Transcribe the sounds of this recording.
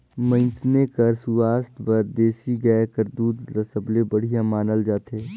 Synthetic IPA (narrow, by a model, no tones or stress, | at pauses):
mə̃snekəɾsuaːst̪ʰbəɾd̪eːsiɡəkəɾd̪uːd̪ɾɐsəblebɐɽ̤ijãmaːnəld͡ʒaːt̪ʰeː